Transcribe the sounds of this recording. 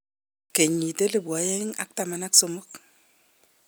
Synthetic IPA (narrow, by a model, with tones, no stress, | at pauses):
ke˨ɲi˨te˦le˦˨ba˨˦je˦ŋa̰˦k̚ta˦˨ma˨na˦kso˦mo˦k